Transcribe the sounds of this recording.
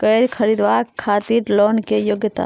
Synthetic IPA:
kɐjɾkʰɐɾiːd̪ʋaːkʰːaːt̪iːɾloːnkejoːɡjət̪a̰ː

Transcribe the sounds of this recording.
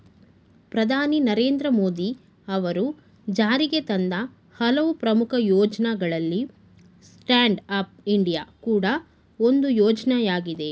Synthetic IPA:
pɾɐd̪ʱaːninɐɾe̞ːnd̪ɾɐmoːd̪i | ɐʋɐɾu | d͡ʒaːɾiɡe̞t̪ɐnd̪ɐ | hɐlɐʋupɾɐmukʰɐjɔːd͡ʒɐnɐɡɐɭɐlːi | sʈaːɳɖɐp̚iɳɖijaːkuːɽɐ | o̞nd̪ujɔːd͡ʒɐnɐjaːɡid̪e̞

